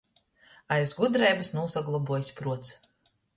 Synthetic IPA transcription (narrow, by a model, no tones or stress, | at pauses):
ajzɡud̪ɾɛjbɨsnusaɡlˠɔbuɔjsʲpɾuɔt̪s